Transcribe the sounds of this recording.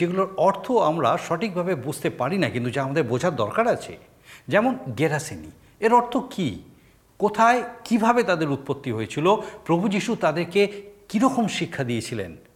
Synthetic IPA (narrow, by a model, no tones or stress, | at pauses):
eɡuloɾɔɾt̪ʰoamɾaʃɔʈik̚bʱabebud͡ʑʱt̪epaɾinakint̪ud͡ʑaamad̪eɾbod͡ʑʱaɾd̪ɔɾkaɾat͡ɕʰḛ | d͡ʑɛmonɡeɾasinḭ | eɾɔɾt̪ʰoki | kot̪ʰaekibʱabet̪ad̪eɾut̪̚pot̪ːiɦojet͡ɕʰilopɾobʱud͡ʑiʃut̪ad̪eɾkekiɾɔkomʃikʰːad̪ijet͡ɕʰilḛn